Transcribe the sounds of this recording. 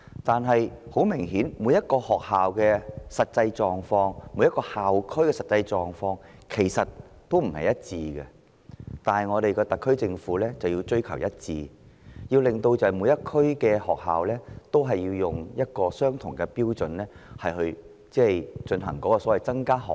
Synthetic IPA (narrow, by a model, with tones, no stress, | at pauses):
t̪aː˨nɦɐ˨jho˨˥wmɪ˨˩ŋɦiː˨˥nmuː˨˧˥jɐ˥t̚kɔː˧hɔː˨k̚haː˨wkɛː˧sɐ˨t̚t͡sɐ˧jt͡ʃɔː˨ŋfɔː˧ŋmu˨˧˥jɐ˥tkɔː˧haː˨wkʰɵ˥kɛ˧sɐ˨t̚t͡sɐ˧jt͡ʃɔː˨ŋfɔː˧ŋkʰe˨˩jsɐ˨t̚ | t̪o˥wm̩˨˩hɐ̰˨jɐ˥t̚t͡siː˧ɡɛ˧ | t̪aː˨nhɐ˨˩jŋɔː˨˧ɾe˨jkɔː˧t̪ɐ˨˩kʰːɵ˥ɥt͡sɪ˧ŋfuː˨˥lɛː˥t͡sɐ˨wjiː˧wt͡sɵ˥ɥkʰɐ˨˩wjɐ˥t̚t͡siː˧jiː˧wlɪ˨ŋt̪o˧wt͡sɐ˨˩ɐ˨˩mu˨˧˥jɐ˥t̚kʰːɵ˥ɥkɛː˧hɔː˨k̚ha̰ː˨wlɛː˥t̪o˥wɦɐ˨jːiː˧wjʊ˨ŋjɐ˥t̚kɔː˧sœː˥ŋt̪ʰʊ˨˩ŋkɛ˧piː˥wt͡sɵ˨nlɛː˥hɐ˨jhɵ˧ɥ | t͡sɛː˥jt͡ʃɵ˧nɦɐ˨˩ŋkɔː˨˥kɔː˧sɔː˨˦wɐ˨jt͡sɐ˥ŋkaː˥ɦɔ̰ː˨